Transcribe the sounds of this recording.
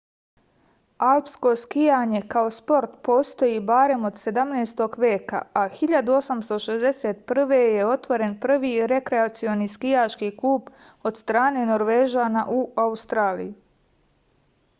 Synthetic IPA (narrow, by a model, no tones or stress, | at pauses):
alˠpsko̞skijaːɲe̞kao̞spo̞ɾt̪po̞ːst̪o̞jibaɾe̞mo̞d̪se̞d̪amneːst̪o̞ɡʋʲje̞ːka̰axiʎad̪uo̞samst̪o̞ʃe̞zd̪e̞set̪̚pr̩ʋe̞je̞o̞t̪ʋo̞ɾe̞npr̩ʋiːɾe̞kɾe̞at̪sio̞niːskijat͡ʃkiklˠuːb | o̞d̪st̪ɾaːne̞no̞ɾʋe̞ːʒanaʔuaust̪ɾaːlḭju